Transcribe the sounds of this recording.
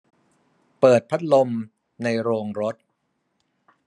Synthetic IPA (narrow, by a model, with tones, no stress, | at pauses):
pɤː˨˩t̪̚pʰa˦˥t̪̚lo˧m | na˧jɾoː˧ŋɾo˦˥t̪̚